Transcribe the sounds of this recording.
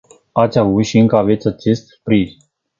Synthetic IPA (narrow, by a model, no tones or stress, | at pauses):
at̪sʲavut̪ʃiɨŋkəave̞t̪sʲat͡ʃe̞st̪spɾiz